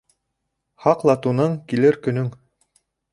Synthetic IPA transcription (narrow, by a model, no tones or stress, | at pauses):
hɑqlˠɑt̪unɤɴkilɘɾkɵ̆nɵŋ